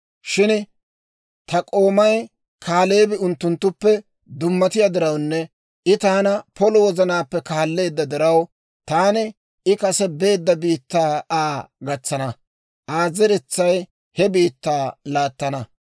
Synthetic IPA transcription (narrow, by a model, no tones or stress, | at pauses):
ʃɪn | t̪ɐkʼo̞ːmɐj | kʰaːle̞ːbɪʊnt̪ːʊnt̪ːʊpːɛ | d̪ʊmːɐt̪ɪjad̪ɪɾɐwnːɛ | ʔɪt̪aːnɐpɔlɔwɔzɐnaːpːɛkaːlːe̞ːd̪ːɐd̪ɪɾɐw | t̪aːnɪ | ɪkɐsɛbe̞ːd̪ːɐbiːt̪ːaːaːɡɐt͡sːɐnɐ | ʔaːzɛɾɛt͡sːɐj | hɛbiːt̪ːaːlaːt̪ːɐnɐ